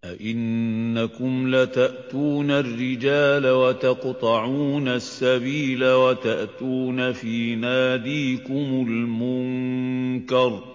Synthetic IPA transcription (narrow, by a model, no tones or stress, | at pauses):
ʔaʔɪnːakʊmlat̪aʔt̪uːnarːɪd͡ʒaːlawat̪ɑqt̪ˤɑʕuːnasːabiːlawat̪aʔt̪uːnafiːnaːd̪iːkʊmʊlmʊŋ | kɑɾˤ